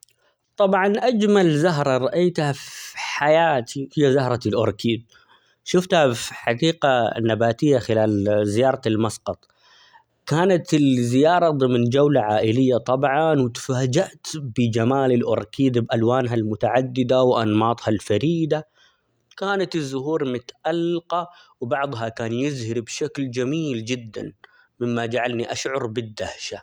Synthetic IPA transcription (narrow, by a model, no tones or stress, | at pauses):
t̪ˤɑbʕɑnʔad͡ʒmalzaɦɾˤɑɾˤɑʔajt̪hafħajaːt̪ʰihɪjːazahɾˤɑɪlʔʊɾˤkʰiːd̪̚ | ʃʊft̪hafħɑɡiːqanabaːt̪ɪjːaxɪlaːlzɪjɑːɾˤɑlmɑsqɑt̪ˤ | kaːnat̪ɪlzɪjɑːɾˤɑðˤɨmnd͡ʒawlaʕaːʔɪlɪjːat̪ˤɑbʕɑnwɪt̪faːd͡ʒaʔt̪bɪd͡ʒamaːlɪlʔʊɾˤkiːd̪bʔalwaːnɦalmʊt̪aʕad̪ːɪd̪awʔɑ̰nmɑːt̪ˤhɑlfaɾiːd̪a | kaːnat̪ɪzːʊɦuːɾmʊt̪ʔalːqɑ | wbɑʕd̪ˤɦɑkaːnjɪzhɪɾbʃakld͡ʒamiːld͡ʒɪd̪ːa̰n | mɪmːad͡ʒaʕalniʔaʃʕʊɾˤbɪd̪ːahʃa